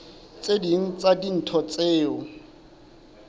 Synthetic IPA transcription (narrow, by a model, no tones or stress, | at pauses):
t͡sʼedin̩t͡sʼadin̩tʰɔt͡sʼeːʊ